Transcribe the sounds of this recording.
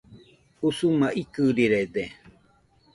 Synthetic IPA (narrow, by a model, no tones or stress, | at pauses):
usumaʔikɨɾiɾed̪e